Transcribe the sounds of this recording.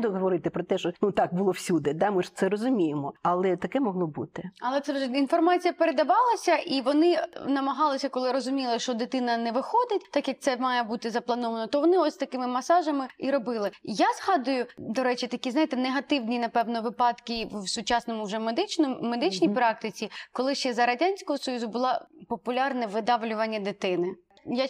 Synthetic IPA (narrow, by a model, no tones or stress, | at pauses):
d̪ʊɦɔʋɔɾɪt̪ɪpɾɔt̪ɛʃɔnut̪ɑk̚bʊlˠɔwsʲud̪ɛd̪amɪʒt̪sɛɾɔzʊmʲijɪmɔɐlˠɛt̪ɐkɛmɔɦlˠɔbut̪ɪɐlˠɛt̪sɛʒɛinfɔrmɑt͡sʲijɐpeɾed̪ɐʋɑlˠɐsʲɐʔiʋɔnɪnɐmɐɦɑlˠɪsʲɐkɔlˠɪɾɔzʊmʲilˠɪʃt͡ʃɔd̪ɪt̪ɪnɐnɛʋɪxɔd̪ɪtʲt̪ɑkjɐk̚t̪sɛmɑjɛbut̪ɪzɐplˠɐnɔʋɐnɔt̪ɔʋɔnɪɔsʲst̪ɐkɪmɪmɐsɑʒɐmɪiɾɔbɪlˠɪjazɦɑd̪ʊjʊd̪ɔɾɛt͡ʃɪt̪ɐkʲiznɑjt̪ɛneɦɐt̪ɪwnʲinɐpɛwnɔʋɪpɑt̪kʲiʋsʊt͡ʃɑsnɔmʊwʒɛmed̪ɪt͡ʃnmed̪ɪt͡ʃʲnʲijpɾɑk̚t̪ɪt͡sʲikɔlˠɪʃt͡ʃɛzɐɾɐdʲanʲsʲkɔɦɔsɔjuzʊbʊlˠɑpɔpʊlʲarnɛʋɪd̪ɑʋlʲʊʋɐnʲːɐd̪ɪt̪ɪnɪ | ja